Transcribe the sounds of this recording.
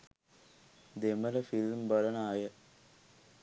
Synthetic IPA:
d̪emələfilmbɐlənaːjə

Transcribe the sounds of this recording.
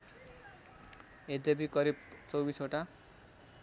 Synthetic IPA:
ed̪ebikʌɾibt͡sʌwbisoʈa

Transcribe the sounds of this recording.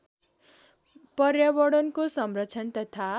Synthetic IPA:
pʌrjabʌɽʌnkosʌmrʌtːt͡sʰʌnt̪ʌt̪ʰa

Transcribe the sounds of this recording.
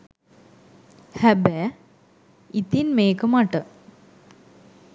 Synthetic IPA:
hæbæ | it̪inmeːkəmaʈə

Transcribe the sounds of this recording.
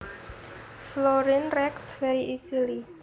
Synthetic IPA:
flɔɾinrɛk̚tsfɛɾiʔisili

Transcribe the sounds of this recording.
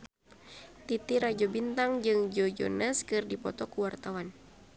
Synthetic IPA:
t̪it̪iɾad͡ʒɔbint̪aŋd͡ʒɨŋd͡ʒɔd͡ʒɔ̰naskɨrdipɔt̪ɔkuwart̪awan

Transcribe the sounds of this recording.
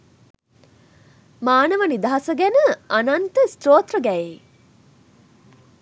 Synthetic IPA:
maːnəʋənid̪ɐɦɐsəɡænəʔanɐnt̪əst̪roːt̪rəɡæje

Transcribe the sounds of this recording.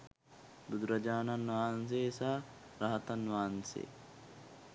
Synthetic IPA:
bud̪ɾɐd͡ʒaːnɐnʋaːns̬eːsaː | ɾɐɦɐt̪ɐnʋaːnsḛː

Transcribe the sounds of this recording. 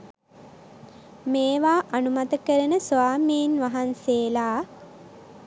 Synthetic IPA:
meːʋaːʔanumat̪əkəɾənəsoaːmiːnʋaɦanseːlaː

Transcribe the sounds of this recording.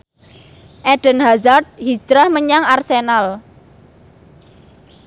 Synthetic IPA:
ʔɛɖ̥ə̤nɦazart̪̚hi̥d͡ʒɾahməɲaŋarsenal

